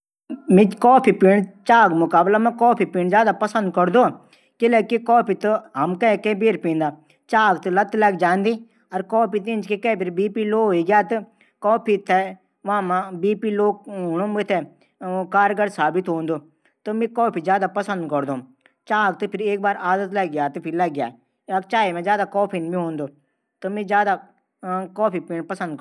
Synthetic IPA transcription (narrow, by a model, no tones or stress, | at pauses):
mĩkɔːpʰipiːɳ̃t͡ʃaːɡmʊkaːblamɛ̃kɔːpʰipiːɳzjaːd̪apɐsə̃nd̪̚kəɾd̪oː | kɪlɛkikɔːpʰit̪ɨɦɐmkɐ̃kẽːbeːɾpĩːnd̪aː | t͡ʃaːɡt̪ɨlɐt̪lɛːkd͡ʒaːnd̪iː | ɐɾkɔːpit̪̬ĩːnd͡ʒkekebiɾbiːpiːloːɦoiːɡjaːt̪ɨ | kɔːpʰit̪ʰe | ʋãmãbiːpiːloːɦʊnõːmɪt̪ʰe | kaːɾɡəɾsaːbɪt̪ɦõːnd̪oː | t̪omẽːkɔːpʰiːzjaːd̪aːpəsə̃nd̪kəɾd̪oːm | t͡ʃaːɡ̚t̪ɨpʰɪɾeːk̚baːɾaːd̪ət̪ləɡɡjaːt̪ɨpʰɪɾləɡɡjaː | ɐt͡ʃaːimɛ̃zjaːd̪aːkɔːpʰinbʱiɦõːnd̪oː | t̪omẽːzjaːd̪a | kɔːpʰipĩːnpəsə̃nd̪̚